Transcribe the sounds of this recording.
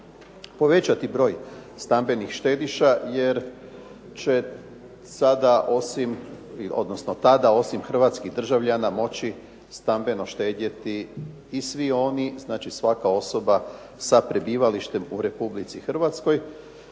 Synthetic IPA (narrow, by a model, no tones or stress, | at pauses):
po̞ʋe̞t͡ɕat̪ibɾo̞ːjst̪ambe̞nixʃt̪e̞ːd̪iʃaje̞ɾ | t͡ɕe̞ | sad̪aʔo̞simio̞̰d̪no̞snot̪ad̪ao̞simxr̩ʋat̪skiɣd̪r̩ʒaʋʎanamo̞t͡ɕi | st̪ambe̞no̞ʃt̪e̞ːd̪et̪iː | sʋio̞niznaːt͡ʃisʋakao̞so̞ba | sapɾe̞biːʋaliʃt̪e̞muɾe̞publit̪sixr̩ʋat̪sko̞j